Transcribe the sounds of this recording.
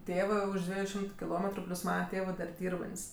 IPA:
ˈtʲeːʋɜ ˈʊʃ ˈdʲʋʲiɛjʊ ˈʃʲɪmtʊ kʲɪˈlˠoːmʲɛtrʊ ˈpʲlʲʊs ˈmɑːnɐ ˈtʲeːʋɜ dɐr ˈdʲiːrbɐnʲtʲsʲ

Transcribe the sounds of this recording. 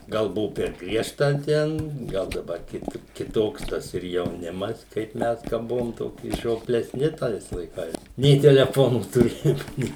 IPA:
ˈɡɐlˠ ˈbʊʋʊ pʲɛr ˈɡrʲiɛʃtɐ ˈtʲɛn ˈɡɐlˠ dɐˈbɐr ˈkʲɪt kʲɪˈtoːks ˈtɐs ɪr jɛʊˈnʲɪmɐs kɐɪp ˈmʲɛs kɐ ˈbʊʋoːm ˈtoːkʲɪ ʒʲoːpʲlʲɛˈsʲnʲɪ ˈtɐɪs lˠɐɪˈkɐɪs nʲɛɪ tʲɛlʲɛˈfoːnuː tʊˈrʲeːjoːm ˈnʲeː

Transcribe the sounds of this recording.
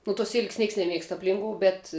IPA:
nʊ tuɔs ˈsʲɪlʲkʲsʲ ˈnʲiɛks nʲɛˈmʲiɛkst ɐpʲˈlʲɪŋkoːʊ bʲɛt

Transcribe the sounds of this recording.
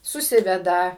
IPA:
sʊˈsʲɪʋʲɛdɐ

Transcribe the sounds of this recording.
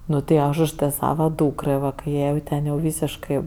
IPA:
ˈnʊ tʲɪ ˈɐʃ ʊʃ ˈtɜ ˈsɑːʋɐ ˈduːkrɜ ˈʋɐ kɐɪ ˈjɛɪ jɛʊ ˈtʲɛn jɛʊ ˈʋʲiːsʲɪʃkɜ

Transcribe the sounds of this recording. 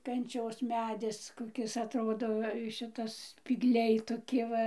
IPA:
kɐnʲˈt͡ʃʲoːs ˈmʲæːdʲɪs koːˈkʲɪs ɐtˈroːdoː ˈʃʲɪtɐs sʲpʲiːɡˈlʲɛɪ toːˈkʲɪ ˈʋɐ

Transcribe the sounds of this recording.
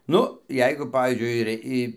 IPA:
ˈnʊ ˈjɛɪɡʊ ˈpɑːʋʲiːzʲd͡ʒʲʊɪ ɪr ˈɪ

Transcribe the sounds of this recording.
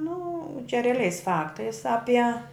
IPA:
nʊ t͡ʃʲɛ rʲɛɐˈlʲɛɪs ˈfɑːktɐɪs ˈɑːpʲiɛ

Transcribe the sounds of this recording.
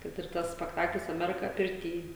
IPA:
kɐt ɪr ˈtɐs sʲpʲɛkˈtɑːklʲɪs ɐˈmʲæːrʲɪkɐ pʲɪrʲˈtʲiː

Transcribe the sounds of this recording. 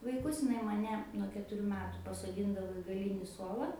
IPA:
ʋɐɪˈkʊs ɪˈnɐɪ mɐˈnʲɛ nuɔ kʲɛtʊˈrʲuː ˈmʲæːtʊ pɐsoːˈdʲiːndɐʋoː ɪ ɡɐˈlʲiːnʲɪ ˈsuɔlˠɐ

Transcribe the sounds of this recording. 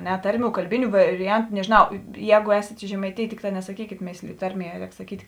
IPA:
ˈnʲɛ ˈtɐrʲˌmʲuː kɐlʲˈbʲɪnʲʊ ʋɐrʲɪˈjɛntʊ nʲɛʒʲɪnˈɐʊ ˈjɛːɡʊ ˈɛːsʲeːt ɪ ʒʲɛmɐɪtʲeːjeː ˈtʲɪkˌtɑː nʲɛsɐˈkʲiːkʲeːt ˈmʲeːsʲlʲɪjoː ˈtɐrʲˌmʲiɛ ˈrʲɛːk sɐˈkʲiːtʲ

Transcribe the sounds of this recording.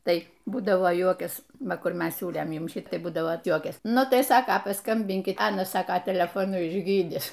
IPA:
ˈtɐɪ ˈbuːdɐʋoː ˈjuɔkʲɛs ˈʋɐ ˈkʊr ˈmʲɛs ˈsʲuːlʲeːm ˈjʊm ˈʃʲɪt ˈbuːdɐʋoː ˈjuɔkʲɛsʲɪ ˈnʊ ˈtɐɪ ˈsɑːkɐ pɐˈskɐmʲbʲɪŋʲkʲɪt ˈɑːnɐs ˈsɑːkɐ tʲɛlʲɛfoːˈnʊ ɪʒʲˈɡʲiːdʲɪs

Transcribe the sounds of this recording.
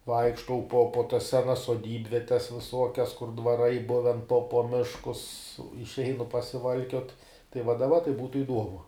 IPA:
ˈʋɐɪkʃtɐʊ poː poː tɐs ˈsʲæːnɐs soːˈdʲiːbʲʋʲiɛtʲɛs ʋʲɪˈsuɔkʲɛs kʊr dʋɐˈrɐɪ ˈbʊʋʲɛn poː poː ˈmʲɪʃkʊs ɪʃʲˈɛɪnʊ pɐsʲɪˈʋɐlʲkʲoːt tɐɪ ʋɐ dɐˈbɐ tɐɪ ˈbuːtʊ ɪˈduɔmʊ

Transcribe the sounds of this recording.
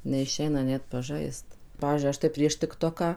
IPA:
nʲɛɪˈʃʲɛɪnɐ ˈnʲɛt pɐˈʒɐɪst ˈpɑːʋʲiːzʲd͡ʒʲʊɪ ˈɐʃ tɐɪ ˈpʲrʲiɛʃ tʲɪkˈtoːkɑː

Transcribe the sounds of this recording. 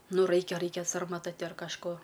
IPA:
ˈnʊ ˈrɐɪkʲɛ ˈrɐɪkʲɛ sɐrmɐˈtɐ ɐr kɐʃˈkoː

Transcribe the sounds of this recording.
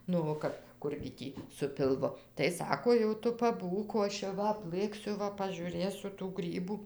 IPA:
nʊ oː ˈkɐp ˈkʊrʲɡʲɪ ˈtʲiː sʊ pʲɪlˠˈʋʊ tɐɪ ˈsɑːkoː jɛʊ ˈtʊ pɐˈbuːk oː ˈɐʃ jɛʊ ˈʋɐ ɐpˈlˠɘksʲʊ ˈʋɐ pɐʒʲuːˈrʲeːsʲʊ tuː ˈɡrʲiːbuː

